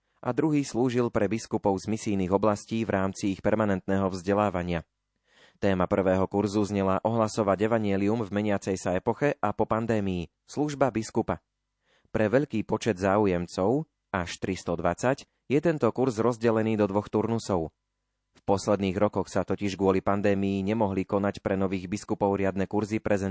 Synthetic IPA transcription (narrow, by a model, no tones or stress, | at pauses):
ʔa̰d̪ɾuɦiːsluːʒilpɾɛbiskupɔʊzmisiːniːɣɔblasciːvɾʔaːmt͡siixpɛɾmanɛnt̪nɛːɦɔvzɟɛlaːʋaɲɪa | t̪ɛːmapr̩ʋɛːɦɔkuɾzuzɲɛlaʔɔɦlasɔʋaɟɛʋaɲɪɛliumvmɛɲɪat͡sɛjsaɛpɔxɛʔapɔpand̪ɛːmiji | sluʒbabiskupa | pɾɛʋɛʎkiːpɔt͡ʃɛd̪zaːujɛmt͡sɔʊ | aʃt̪ɾist̪ɔd̪ʋat͡sac | jɛt̪ɛnt̪ɔkuɾzɾɔzɟɛlɛniːd̪ɔd̪ʋɔxt̪uɾnusɔʊ | fpɔslɛd̪niːɣɾɔkɔxsat̪ɔciʒɡʊɔlipand̪ɛːmijiɲɛmɔɦlikɔnacpɾɛnɔʋiːɣbiskupɔʊɾɪad̪nɛkuɾzipɾʔɛzɛ